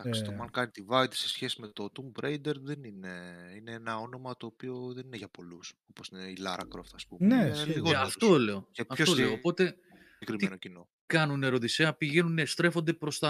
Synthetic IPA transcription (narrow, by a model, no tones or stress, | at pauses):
d̪ɐksit̪omɐnkɐnit̪ivɐit̪i̥se̞sçe̞sime̞t̪o̞t̪umbɾejd̪e̞ɾðenineine̞enɐo̞no̞mɐt̪o̞ːpio̞ðe̞nineʝɐpo̞luso̞po̞sineilɐɾɐ̰kɾo̰ft̪ɐspumneiɣoɐft̪ole̞o̞eɐfooloopo̞t̪e̞ | ekɾimienocino̞ | kɐnune̞ɾo̞ðiseɐpiʝe̞nunest̪ɾe̞fo̞nd̪e̞pɾo̞st̪ɐ